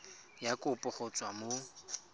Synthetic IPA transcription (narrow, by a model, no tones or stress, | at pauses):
jakʼʊpʼʊχɔt͡sʼwamo